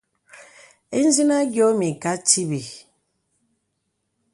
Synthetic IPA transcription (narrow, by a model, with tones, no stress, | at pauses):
e˦n̩˦zi˦na˦ɡjɔ˦mi˨ka˦ti˦bi˨